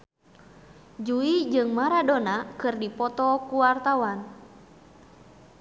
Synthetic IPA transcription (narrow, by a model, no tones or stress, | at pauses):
d͡ʒuid͡ʒɨŋmaɾadonakɨrdipɔt̪ɔkuwart̪awan